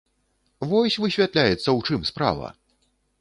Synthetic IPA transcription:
vɔsʲvɨsʲvʲat̪lʲajɛt̪sːɐwt͡ʂɨmspɾa̰vɐ̰

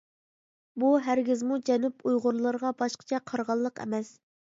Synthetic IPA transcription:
buɦæɾɡʲɪzmud͡ʒɛnypʰujʁʊɾlˠəɾʁɑbɑʃqʰə̥t͡ʃʰɛqʰɑɾʁɑlˠːəqɛ̰mɛs

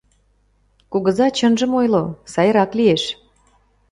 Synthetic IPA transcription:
kuɣə̆zɑt͡ɕənʒə̆mojlosɑjəɾɑklieʃ

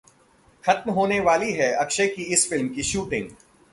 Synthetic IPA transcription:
xɐt̪mɦoːneʋaːliɦɛɐkʃekiɪsfɪlmkiʃuːʈɪ̃ŋɡ

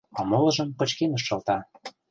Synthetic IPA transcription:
ɑmɤ̆lɤ̆ʒɤ̆mkɤ̆t͡ɕkenəʃːɤ̆lt̪ɑ

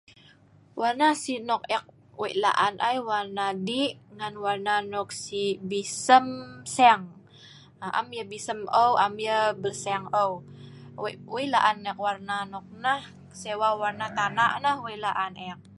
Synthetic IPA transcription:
warnasinɔk̚ɛk̚ | wḛʔla̰ʔanʔajwarnadiŋanwarnanɔk̚sibisəmsɛŋ | ʔa̰mjəbisəməwʔamjəbəlsɛŋə | wela̰ʔanːɛk̚warnanɔk̚nah | sewawarnat̪anaʔnahwelaʔanɛk̚

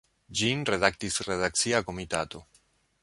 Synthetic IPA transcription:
d͡ʒinɾe̞dak̚tisɾedak̚t͡siako̞mita̰to̞

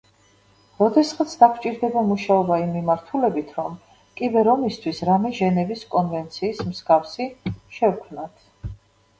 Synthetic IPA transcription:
ɾɔd̪ɛsχat̪sʰd̪akʰt͡ʃʼiɾd̪ɛbamuʃaɔbaimːimaɾt̪ʰulɛbit̪ʰɾɔm | kʼibɛɾɔmist̪ʰwisɾamɛʒɛnɛviskʼɔnvɛnt̪sʰiːsmsɡafsiʃɛvkʰmnat̪ʰ

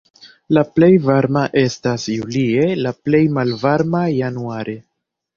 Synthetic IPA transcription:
laple̞jvaɾmaʔe̞stasjulie̞laple̞jmalvaɾmajanuaɾʔe̞

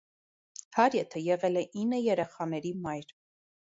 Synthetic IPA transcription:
hɑɾjɛt̪ʰəjɛʁɛlɛʔinːəjɛɾɛχɑnɛɾimɑjɾ

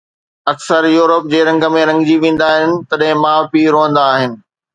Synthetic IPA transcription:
ɐksəɾjuːɾəp̚d͡ʑeːɾɐ̃ŋɡəmẽɾɐ̃ŋɡd͡ʑiʋẽːn̆d̪aːɦɪnɪ̆t̪ɐɗɦɪ̃mãːpiːɾõːɦə̃n̆d̪aːɦɪnɪ̆

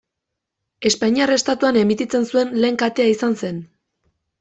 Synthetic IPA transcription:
e̞spaɲiare̞st̪at̪uane̞mit̪it͡se̞nsue̞nle̞ːŋkat̪e̞aisanse̞n

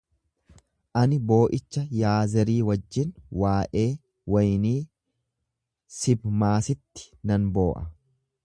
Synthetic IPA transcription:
ʔɐnɪbo̞ːʔɪt͡ʃːɐjaːzɛɾiːwɐd͡ʒːɪnwaːʔe̞ː | wɐjniː | sɪbmaːsɪt̪ːɪ̥nɐnbo̞ːʔɐ

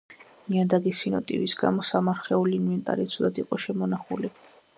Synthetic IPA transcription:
miad̪aɡisinɔ̰t̪ʼḭbisɡa̰mɔsamaɾχɛuliːnvɛnt̪ʼa̰ɾit̪sʰɔd̪at̪ʰiqʼɔʃɛmɔnaχuli

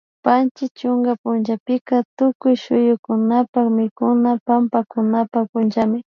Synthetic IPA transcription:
pant͡ʃɪt͡ʃʊŋɡapʊnʒapɪkat̪ʊkʊjʃʊjʊkʊnapakmɪkʊnapampakʊnapapʊnʒamɪ

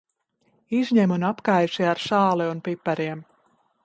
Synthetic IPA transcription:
izʲɲɛmunapkajʃiaɾʃaːlˠɛunpipːɛɾiɛm

